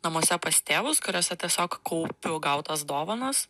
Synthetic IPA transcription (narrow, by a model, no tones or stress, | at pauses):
nɐmoɔsʲɛpɐst̪ʲeːʋʊskʊɾʲoːsʲɛt̪ʲiɛsʲoːkkɐʊpʲʊɡɐʊt̪ɐsd̪oːʋɐnɐs